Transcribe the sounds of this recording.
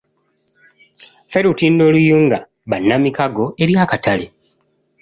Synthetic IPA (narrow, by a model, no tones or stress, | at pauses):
fe̞ɾutindo̞ːlujuːŋɡa | βanːamikaɡo̞e̞ɾjakatʰale